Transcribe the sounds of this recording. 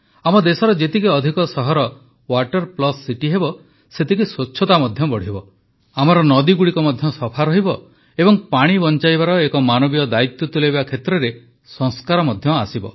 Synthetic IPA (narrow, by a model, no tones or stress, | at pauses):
amɔd̪esɔɾɔd͡ʒet̪ikiɔd̪ʱikɔsɔɦɔɾɔ | waʈɔɾplɔsːiʈiɦebɔ | set̪ikisotːʃʰɔt̪amɔd̪ʱjɔbɔɽ̤ibɔ | amɔɾɔnɔd̪iɡuɽikɔmɔd̪ʱjɔsɔpʰaɾɔɦibɔ | ebɔŋpaɽ̃ibɔnt͡ʃajbaɾɔekɔmanɔbijɔd̪ait̪jɔt̪uleβakʰet̪ɾɔɾe | sɔŋskaɾɔmɔd̪ʱjɔasibɔ̰